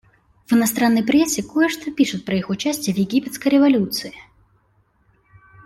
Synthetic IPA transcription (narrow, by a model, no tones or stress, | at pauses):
vɨnɐst̪ɾanːɐjpɾʲɛsʲːɪkojɛʂt̪opʲiʂɨt̪̚ʲpɾɐixʊt͡ɕasʲt͡sʲɪjɛvjɪɡʲipʲɛt̪skəjɾʲɛvalʲut̪sɨɪ